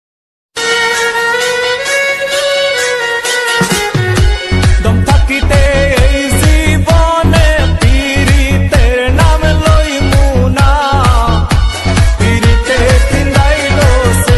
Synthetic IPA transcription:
d̪ɔmt̪ʰakit̪eeizibɔnep̪iɾit̪eɾnameloimuna | piɾit̪ek̪ĩnd̪ajilose

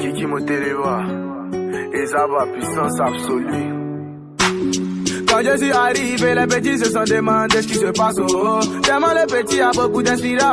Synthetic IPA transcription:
kĩkimoteɾewa | ezabapisɔ̃sabsolu | kãd͡ʒes̬iaɾiibeɾebed͡ʒis̬osãdemãdeskis̬epasodemãlebetiaboɡudɛ̃s̬iɾa

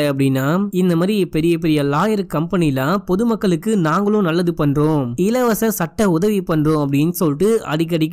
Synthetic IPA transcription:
ɐpːɐɽɪnːaːɪnd̪ɐmaːd̪ɾiɛpːɛɾɪjɐp̬ːɛɾɪjɐlaːjɐɾkɐmpɐnɪjɪlãːpɔðɯmɐkːɐɭɯkːɯnaːŋɡɐɭʊ̃nɐlːɐðɯpɐɳroːɪlɐʋɐsɐsɐʈːɐʊðɐʋipɐɳrõːɐp̬ːɐɽɪnːsɔlʈːɯʔɐ̰ðɪk̬ːɐɽɪkː

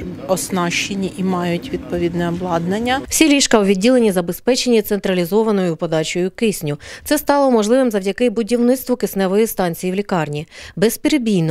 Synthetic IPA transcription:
ɔsnɑʃt͡ʃenʲːiʔimɑjʊtʲʋʲid̪pɔʋʲid̪nɛɔblˠɑd̪nɐnʲːɐw̥sʲilʲiʃkɐwʋʲidʲːilenʲizɐbespɛt͡ʃenʲːit̪sent̪ɾɐlʲizɔʋɐnɔjʊpɔd̪ɑt͡ʃɔjʊkɪsʲnʲʊt̪sɛst̪ɑlˠɔmɔʒlˠɪʋɪmzɐwdʲɐkɪbʊdʲiwnɪt̪st̪ʋʊkɪsnɛʋɔjist̪ɑnʲt͡sʲijiwlʲikɑrnʲibɛspʲiɾebʲijn

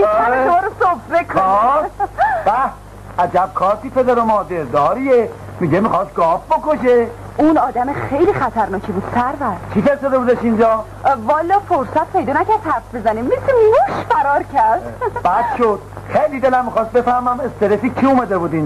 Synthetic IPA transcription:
æeʃɒːɾosofɾekʰoɔ | bæ | æd͡ʒæb̚kʰɒːɾt̪ʰipezæɾomɒːd̪eɾd̪ɒːɾie | miɟemixɑst̪̚ɡɒːfbokoʃe | unɒːd̪æmexejliːxæt̪ʰæɾnɒːkʰibuːd̪̥sæɾvæɾkʰifest̪od̪ebud̪eʃind͡ʒɒː | vɒːlːɒːfoɾsæt̪̚pʰe̞jd̪ɒːnæcæɾd̪hæɾfbe̞zænimmeseɡoʃfæɾɒːɾcʰæɾd̪̥b̥æd̪ʃod̪̥ | χejlid̪e̞læmːixɑːst̪̚be̞fæɾmæme̞st̪eɾeficʰiumæd̪ebuːd̪iːn

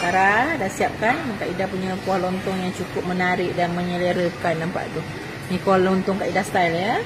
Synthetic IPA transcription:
kaɾadasiap̚kanakaʔidahpuɲəpuahlɔnt̪ɔŋjaŋt͡ʃukʊp̚mənaɾɪʔdanməɲələɾəkajnːampa̰ʔdʊ | nikuahlont̪ɔŋkaʔidast̪ajljə

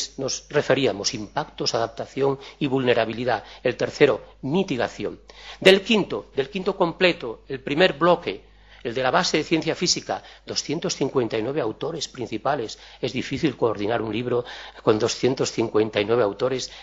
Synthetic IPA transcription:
sno̞sre̞feɾiamo̞simpakt̪osaðap̚t̪aθjo̞ŋiβulne̞ɾaβ̞iliðaelt̪eɾθe̞ɾomit̪iɣ̞aθjo̞̰nd̪e̞lkint̪od̪e̞lkint̪oko̞mplet̪oelpɾime̞ɾblo̞ke | eld̪e̞laβaseðeθje̞nθjafisikad̪o̞sθje̞nt̪osθiŋkwe̞nt̪ainweβeawt̪oɾe̞spɾin̟θipale̞se̞zðifiθilkoːɾð̞inaɾunliβɾokond̪o̞sθje̞nt̪o̞sθiŋkwe̞nt̪ainwe̞β̞eawt̪o̞ɾes

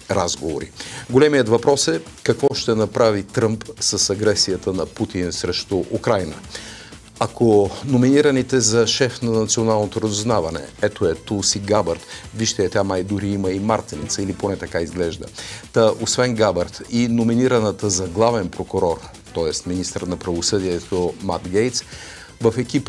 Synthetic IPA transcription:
ɾazɡovo̰ɾḭɡolɛmiət̪vɐpɾɔsɛ | kɐkvɔʃt̪ɛnɐpɾavit̪ɾɤmpsəsɐɡɾɛsijət̪ənɐput̪insɾɛʃt̪oʔukɾajnə | ɐkonominiɾənit̪ɛzɐʃɛfnɐnɐt̪sionalˠnot̪oɾəzʊznavɐnɛ̰ɛt̪oɛt̪usiɡabəɾt̪viʃt̪ɛɛt̪ʲamajd̪ʊɾiiməimaɾt̪init̪səiliponɛt̪ɐkaizɡlɛʒd̪ə̰t̪əʔosvɛnɡabɐɾt̪inominiɾənət̪əzɐɡlˠavɛnpɾokʊɾɔɾ | t̪ɔɛst̪minist̪ɾət̪nɐpɾɐvosɤd̪iɛt̪oma̰t̪ɡɛjt̪s | vəfɛkip

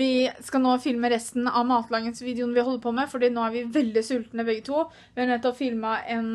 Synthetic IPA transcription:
ʋɪskɑnoːfɪlməɾɛst̪n̩ɑ̰ʋmɑːt̪lɑːɡənsʋiːd̪əʊnʋɪhɔlːəɾpʰɔmɛfɔɖiːnoːæɾʋɪʋɛld̪ɪsʉlt̪nəbɛɡːət̪ʰuː | ʋɪɑnɛt̪ːɔpfɪlməʔɛn

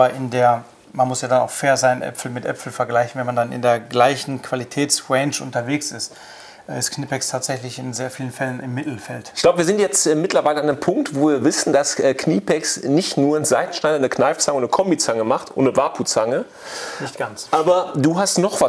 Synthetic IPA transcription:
ɐʔɪndeːɐ | manmʊsjaːdana̰ʊxfeːɐzaɪnʔɛ̰pfl̩mɪtʔɛ̰pfl̩fɛɐɡlaɪçn̩vɛnmandanɪ̰ndeːɐɡlaɪçn̩kʰv̥alitʰɛːtsʁɛnt͡ʃʔʊ̰ntɐveːksɪst | ʔɛɪstkʰniːpʰɛkstʰaːtz̥ɛçlɪçɪnzeːɐfiːlənfɛlənʔɪmːɪtl̩fɛltɪ̥çɡ̥laʊbəviɐzɪntjɛt͡stʔɛːmɪtlɐvaɪləandempʰʊŋk̚tvoːviːɐvɪsn̩d̥asʔɛːkniːpʰɛksnɪçtnuːɐnzaɪtn̩ʃnaɪdɐnəknaɪft͡saŋəʊnnəkʰɔmbit͡saŋəmaχtʔo̰ːənəvaːpʰut͡saŋə | nɪçt̚ɡ̥ant͡sʔaːbɐduːɦastnɔχv̥a

